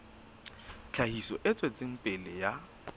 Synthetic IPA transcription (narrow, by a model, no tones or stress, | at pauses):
t͡ɬʰahisɔʔɪt͡sʼwet͡sʼɪŋ̩pʼɪlɪja